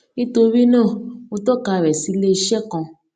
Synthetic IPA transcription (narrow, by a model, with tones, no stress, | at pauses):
nĩ˦to˧ɾi˦nãː˦˨o˧tɔ˦˨ka˧˨ɾɛ˨si˨˦le˦i˧ʃɛ˦kɔ̃˧